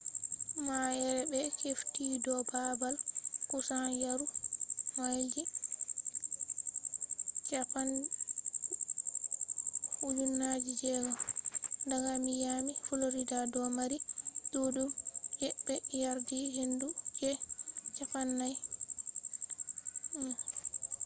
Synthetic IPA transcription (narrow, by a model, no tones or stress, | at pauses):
majɛɾɛbɛkeftidɔbabalkusanjaɾumajd͡ʒi | t͡ʃapan | hud͡ʒunːad͡ʒid͡ʒɛɡɔ | daɡamijamifuloɾidadɔmaɾidoɗumjɛɓɛjaɾdihendud͡ʒɛt͡ʃafanːaj